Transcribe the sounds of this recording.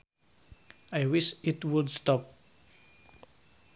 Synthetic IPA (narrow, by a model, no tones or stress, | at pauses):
ajwiʃitwudstɔp̚